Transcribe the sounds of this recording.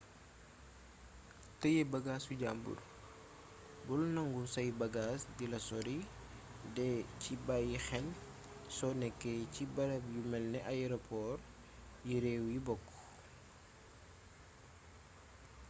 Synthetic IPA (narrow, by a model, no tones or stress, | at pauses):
tɐjɛbɐɡaːsuɟaːmbṵr | bulnɐŋɡusɐjbɐɡaːsdilɐsɔɾi | dɛcibajixɛn | sɔnɛkːecibɐɾɐbjumɛlnɛʔaɛɾɔpʰɔːr | jiɾɛwjibɔkː